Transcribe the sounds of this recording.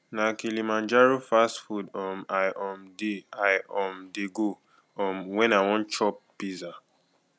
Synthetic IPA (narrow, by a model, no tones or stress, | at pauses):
nakilimãnd͡ʒaɹufastfudɔmajʔɔmdiajɔmdeɡo | ɔmwɛ̃nawɔ̃nt͡ʃɔp̚ːiza